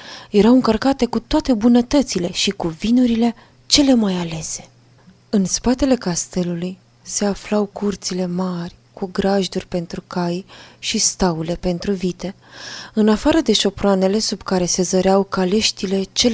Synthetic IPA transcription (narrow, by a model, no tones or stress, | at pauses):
je̞ɾawɨŋkərkat̪e̞kut̪oat̪e̞bunət̪ət̪sile̞ʃikuvinuɾile̞ | t͡ʃe̞le̞majale̞se̞̥ | ɨnspat̪e̞le̞kast̪e̞luluj | se̞aflawkurt̪sile̞marʲ | kuɡɾaʒd̪urʲpe̞nt̪ɾukajʃist̪aule̞pe̞nt̪ɾuvit̪e̞ | ɨnafaɾəd̪e̞ʃo̞pɾoane̞le̞subkaɾe̞se̞zəɾeawkale̞ʃt̪ile̞t͡ʃe̞l